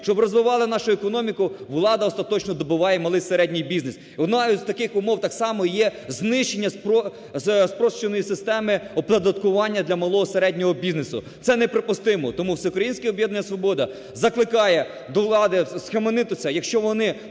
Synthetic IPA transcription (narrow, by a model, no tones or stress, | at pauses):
ʃt͡ʃɔbrɔzʋɪʋɑlˠɪnɑʃʊekɔnɔmʲikʊʋlˠɑd̪ɐɔst̪ɐt̪ɔt͡ʃnɔd̪ɔbɪʋɑjɛmɐlˠɪjseɾɛdʲnʲɪjbʲiznes | ɔd̪nɑzt̪ɐkɪxʊmɔwt̪ɑksɑmɔjɛznɪʃt͡ʃenʲːɐspɔ | spɾɔʃt͡ʃenɔjisɪst̪ɛmɪɔp̪ɐd̪ɐt̪kʊʋɑnʲːɐd̪lʲɐmɐlˠɔɦɔseɾɛdʲnʲɔɦɔbʲiznesʊ̰ | t̪sɛnɛpɾepʊst̪ɪmɔt̪ɔmuwsɛʊkɾɐjinʲsʲkʲɪɔbjɛd̪nɐnʲːɐsʋɔbɔd̪ɐ | zɐklˠɪkɑjɛ | d̪ɔʋlˠɑd̪ɪsxɐmenɪt̪ʊt͡s̪ʲɐjɐkʃt͡ʃɔʋɔnɪ